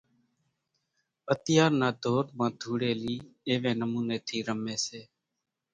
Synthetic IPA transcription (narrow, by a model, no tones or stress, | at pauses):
ət̪ɪjaːɾnaːd̪ʱoːɾmãːd̪ʱuːɽeːliːeːʋẽːnəmuːneːt̪ʰiːɾəmeːseː